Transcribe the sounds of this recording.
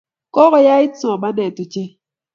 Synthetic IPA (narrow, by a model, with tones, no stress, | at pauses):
kɔ˦ɣɔ˨ja˦ɪ˦t͡sɔ˨ba˦nɛ˨tu˨t͡ʃe˦